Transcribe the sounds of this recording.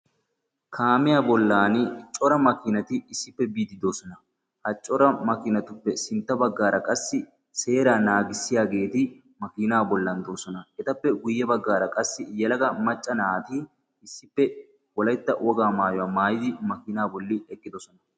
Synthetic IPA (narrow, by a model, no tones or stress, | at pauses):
kʰaːmɪjaːbɔlːaːnt͡ʃʼɔɾɐmɐkɪnɐt̪ɪɪsːɪpːɛbiːd̪ɪd̪oːsɔnɐ | hɐt͡ʃʼːɔɾɐmɐkɪnɐt̪ʊpːɛsɪnt̪ːɐbɐɡːaːɾɐkʼɐsːɪ | se̞ːɾaːnaːɡɪsːɪjaːɡe̞ːt̪ɪ | mɐkɪnaːbɔlːɐnd̪oːsɔnɐɛt̪ɐpːɛɡʊjːɛbɐɡːaːɾɐkʼɐsːɪjɛlɐɡɐmɐt͡ʃʼːɐnaːt̪ɪ | ɪsːɪpːɛ | wɔlɐjt̪ːɐwʔɔɡaːmaːjɔwaːmaːjɪd̪ɪmɐkɪnaːbɔlːɪɛkʼːɪd̪ɔsɔnɐ